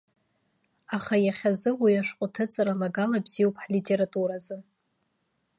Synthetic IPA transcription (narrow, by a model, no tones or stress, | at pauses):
aχajaχʲazɨwijaʂqʼʊtʰɨt͡sʼaɾalaɡalabz̥ijopʼħlitʼeɾatʼuɾazɨ